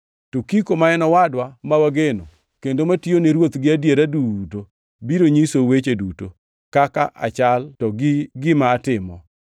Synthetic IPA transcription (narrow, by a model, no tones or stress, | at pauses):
tokikomaɛnɔwadwamawaɡeno | kendomationeɾwot̪ɡɪadjeɾaduto | biɾoɲisowet͡ʃeduto | kaka̰ʔa̰t͡ʃaltɔɡɡɪmaːtɪmɔ